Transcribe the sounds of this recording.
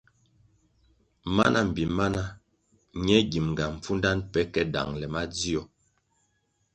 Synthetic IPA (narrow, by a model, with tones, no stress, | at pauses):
ma˦na˦m̩˨bi˨ma˦na˦ | ɲɛ˦ɡi˨mŋ˨ɡa˨m̩˨p͡fu˦nda˦npɛ˦kɛ˦da̰˨ŋlɛ˨ma˦d͡zi˦ɔ˨